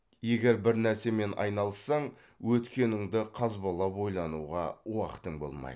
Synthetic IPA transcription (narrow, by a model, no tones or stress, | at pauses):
je̞ɡʲe̞ɾbɪɾnæɾse̞me̞nɑ̰jnɑlˠəsːɑɴ | wɵt̪kʲe̞nɪŋd̪ɪqʰɑzbolˠɑpo̞jlˠɑnṵʁɑwɑqə̥t̪əŋbo̞̰lˠmɑ̰j